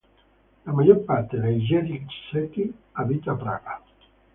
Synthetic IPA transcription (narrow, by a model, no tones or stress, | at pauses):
lamaʒoɾpaɾt̪eðeʒɛɾit͡ʃset̪iaβit̪apɾa̰ɣa